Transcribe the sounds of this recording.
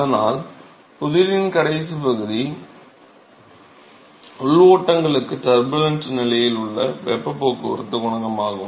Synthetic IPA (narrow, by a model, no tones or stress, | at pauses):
ɐðɐnaːl | pʊðɪɾɪnkɐɾɐɪs̬ɯpɐɣɯði | ʊɭoːʈːɐŋɡɐɭɯkːɯʈɐɾbɯlɐnsnɪlɐjɪlʊɭːɐʋɛpːɐpːoːkːɯʊ̰ɾɯt̪ːɯɣʊɳɐɣɐmaːɣɯm